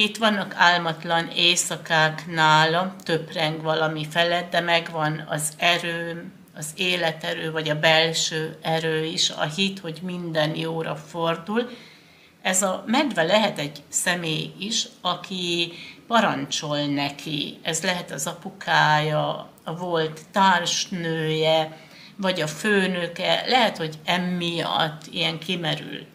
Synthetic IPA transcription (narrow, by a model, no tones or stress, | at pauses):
it̪ʋɒnːɒkaːlmɒt̪lɒneːsɒkaːknaːlɒt̪øprɛŋɡʋɒlɒmifɛlɛd̪d̪ɛmɛɡʋɒnɒ̰zɛɾøː | ɒzeːlɛt̪ɛɾøːvɒɟɒbɛlʃøːɛɾøːiʃɒ̰ɦit̪ho̞ɟmind̪ɛnjoːɾɒ̰fo̞rd̪ul | ɛzɒmɛd̪vɛlɛɦɛt̪ɛɟsɛmeːjiʃɒkʰipɒɾɒnt͡ʃo̞lnɛkʰiɛzlɛɦɛt̪ɒzɒpukʰaːjɒ | vo̞lt̪ːaːrʃnøːjɛ | vɒɟɒføːnøkɛ̰lɛɦɛt̪ho̞ɟɛmːijɒ̰t̪ːijɛŋkʰimɛɾy̰lt̪